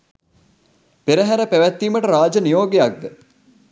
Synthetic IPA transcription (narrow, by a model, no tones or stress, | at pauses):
peɾəɦæɾəpæʋæt̪ːiːməʈəɾaːd͡ʒənijoːɡejak̚d̪ə